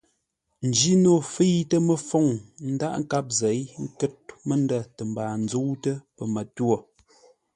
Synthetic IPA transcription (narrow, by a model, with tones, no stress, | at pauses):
n̩˨d͡ʒi˦no˦˨fe˦jtə˦mə˦˨fɔ˦˨ŋn̩˦da̰˦˨ʔŋ̩˦ka˦p̚zɛ˨˦jŋ̩˦kə˦t̚mə˦nda˦˨tə˨m̩baː˨n̩˦d͡zo˦wtə˦pə˨mə˨two˨